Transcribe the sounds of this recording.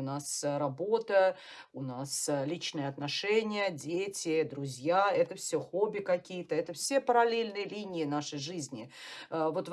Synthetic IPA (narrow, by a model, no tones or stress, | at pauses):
nasɾɐbot̪ə | ʊnaslʲit͡ɕnɨjəɐt̪nɐʂɛnʲɪjədʲetʲɪd̪ɾʊzʲjaɛt̪əfsʲoxobʲːɪkɐkʲijət̪əɛt̪əfsʲepəɾɐlʲelʲnɨjəlʲinʲɪɪnaʂəjʐɨzʲnʲɪvot̪v